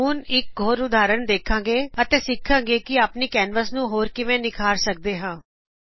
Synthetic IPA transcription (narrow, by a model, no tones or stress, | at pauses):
uːnɪk̚ɡʱoːɾʊd̪aːɾəɳd̪eːkʰãːɡeːət̪ẽːsɪkʰːãːɡeːkɪaːpniːkɛːnʋəsnũːɦoːɾkɪʋẽːnɪkʰaːɾsək̚d̪eːɦãː